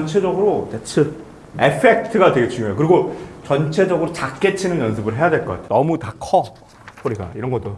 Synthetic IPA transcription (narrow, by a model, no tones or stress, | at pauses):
ʌnt͡ɕʰe̞d͡ʑʌɡɯɾot͡ɕet͡ɕʰɯ | epʰe̞k̚tʰɯɡadweet͡ɕuŋoɦejokɯɾiɡot͡ɕʌnt͡ɕʰe̞d͡ʑʌɡɯɾot͡ɕak̚k͈e̞t͡ɕʰinɯnjʌnsʰɯbɯɭɦe̞jadweɭk͈ka̰tʰe̥nʌmutakʰʌ | pʰoɾiɡa̰iɾʌnɡʌt͈o